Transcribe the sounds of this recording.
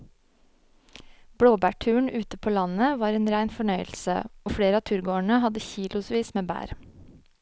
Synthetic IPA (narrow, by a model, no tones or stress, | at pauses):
b̥ɽoːbæːʈʰʉːɳʔʉːt̪əpʰoːlɑnəʋɑːɾeːnɾæɪnfɔɳœʏəl̩sə̰oːfɽeːɾəɑːt̪ʰʉːɾɡoːəɳəhɑd̪əçiːlʊsʋiːsmeːbæ̰ːɾ